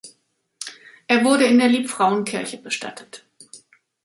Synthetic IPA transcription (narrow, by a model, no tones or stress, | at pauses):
ʔeːɐvʊɐɾəɪndeːɐliːpfʁ̥aʊənkʰɪɐçəbəʃta̰tʰə̥t